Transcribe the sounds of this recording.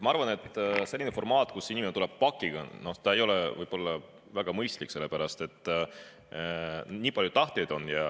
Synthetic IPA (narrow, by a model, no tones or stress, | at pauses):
mɑɑɾvɑne̞t̪ːˑse̞lʲːinefo̞rmɑːt̪ˑkusːinimnt̪ule̞b̥̚pɑkːˑiɡ̥ɑ̰no̞t̪ɑe̞jo̞levɯ̰jb̥o̞lːɑ | væɡ̥ɑmɤjst̪likse̞lːe̞pæɾɑst̪e̞t̪ːˑ | nʲiːpɑljud̪ɑht̪e̞jd̪o̞njɑ